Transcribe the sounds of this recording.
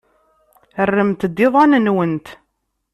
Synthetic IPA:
ərːəmt̪d̪ːɪðˤɑnənwənt̪

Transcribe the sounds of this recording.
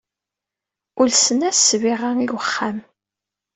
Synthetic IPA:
ʊlsənæssviʁaŋilwəχːam

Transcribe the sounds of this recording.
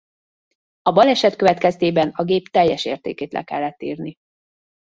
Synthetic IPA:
ɒbɒlɛʃɛt̪køvɛt̪kɛst̪eːbɛnɒɡeːpt̪ɛjːɛʃḛːrt̪ḛːkeːt̪lɛ̰kɛ̰lːɛt̪ːḭːrni

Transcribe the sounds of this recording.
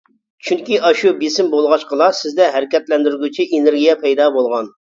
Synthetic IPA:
t͡ʃʰyŋkʲiʔɑʃubesɪmbolˠʁɑʃqʰəlˠɑsɪzd̪ɛɦæɾɪkʲɛt̪lɛnd̪yɾɡʲyt͡ʃʰiʔeneɾɡʲijɛpʰɛjd̪ɑbolˠʁɑn

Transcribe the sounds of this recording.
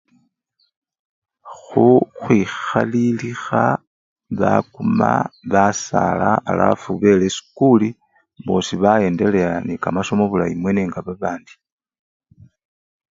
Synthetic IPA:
xuxwixalilixa | βakuma̰βasa̰laːla̰fuβe̞lesi̥kuli | βo̞siβaje̞ːnde̞leanikamaso̞mo̞βulaimwe̞neːŋɡaβaβaːndi̥

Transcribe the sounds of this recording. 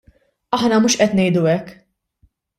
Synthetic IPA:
ɐħnɐmuːʃʔɛt̪nɛjd̪ʊɛkː

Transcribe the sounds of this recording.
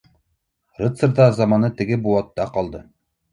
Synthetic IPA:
rɨt̪səɾd̪ɑzɑmɑnɤt̪ɘ̆ɡɘbuɑt̪ːɑqɒlˠd̪ɤ

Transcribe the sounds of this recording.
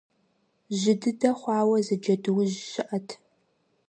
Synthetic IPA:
ʑɪdɨdɐχʷɑːwɐzɨd͡ʒɐdɨwʑɕɪʔɐtʰ

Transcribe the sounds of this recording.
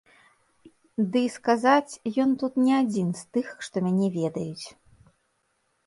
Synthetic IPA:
d̪ɨskazat͡sʲjɔnt̪ut̪nʲɛad͡zʲinst̪ɨxʂt̪ɔmʲanʲɛvʲɛd̪ɐjut͡sʲ

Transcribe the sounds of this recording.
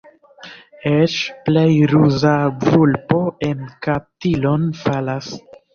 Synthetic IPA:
et͡ʃple̞jɾuzaɡulpo̞ʔe̞nkap̚tilo̞nfalas

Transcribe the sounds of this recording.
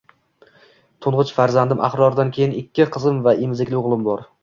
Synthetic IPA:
t̪ʰʊɴʁɨt͡ʃfaɾzand̪ɪmʔa̰χɾɒɾd̪ankʲʰe̞jɪnɪkʲːɪqʰɨzɪmvaʔɪmzɪkʲlɪʊʁlˠɪmbɒɾ

